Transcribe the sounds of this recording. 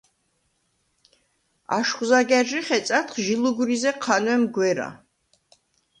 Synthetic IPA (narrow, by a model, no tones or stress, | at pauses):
a̰ʃχwzaɡɛɾʒiχɛt̪sʼat̪χʒiluɡuɾizɛqʰanwɛmɡwɛɾa̰